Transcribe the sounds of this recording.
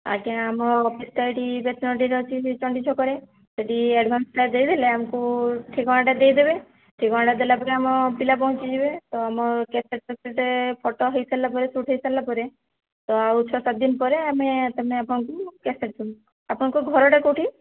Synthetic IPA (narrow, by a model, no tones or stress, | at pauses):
a̰keãːmɔɔpʰisʈ̪ajʈibet̪nɔʈiɾɔt͡ʃʰit͡ʃɔɳɖit͡ʃʰɔkɔɾe | seʈieɖʱbʱansʈaɾd̪ejd̪ʱileamɔkuʈʰikɔɽ̃ãʈad̪ejd̪ebe | ʈʰikɔ̃ãɖad̪elapɔɾeamɔpilapɔɦũt͡ʃid͡ʒibet̪ɔamɔkɛseʈ̚sɔseʈepʰɔʈɔɦɔjsalːapɔɾesuʈʰɦɔjsalapɔɾe | t̪ɔaut͡ʃʰɔsat̪̚d̪inpɔɾeamet̪ɔmeapɔɽ̃ɔkukɛseʈ̚t̪ɔn | apɔɽ̃ɔ̃kuɡʱɔɾɔʈekoʈʰi